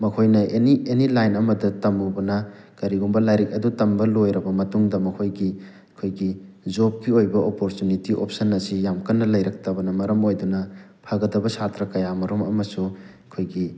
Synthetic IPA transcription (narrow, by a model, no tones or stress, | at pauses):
mɐkʰojnɐʔenienilajnɐmɐdɐtɐmubɐnɐ | kɐɾiɡumbɐlajɾik̚ɐdutɐmbɐlojɾɐbɐmɐtuŋdɐmɐkʰojɡi | ɐkʰojɡizop̚kiojbɐʔopoɾtunitiʔop̚sɐnːɐsijamkɐnːɐlɐjɾɐk̚tɐbɐnɐmɐɾɐmojdunɐ | pʰaɡɐdɐbɐsatɾɐkɐjamɐɾomɐmɐsu | kʰojɡi